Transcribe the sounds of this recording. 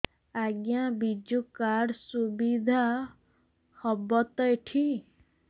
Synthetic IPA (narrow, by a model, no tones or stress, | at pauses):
aɡjabid͡ʒukaɽsubid̪ʱa | hɔbɔt̪ɔeʈʰi